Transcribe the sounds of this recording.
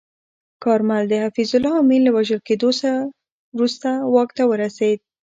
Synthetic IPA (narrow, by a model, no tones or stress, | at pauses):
kɑɾmald̪əhafizʊlɑɑminləwaʒəlked̪os | wɾust̪awɑkt̪awəɾased̪̚